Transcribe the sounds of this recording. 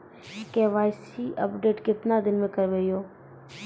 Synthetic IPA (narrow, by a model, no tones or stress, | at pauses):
keːʋaːɪsiʔə̰pɖeːʈkɪt̪nad̪ɪnmẽːkəɾʋeːjoː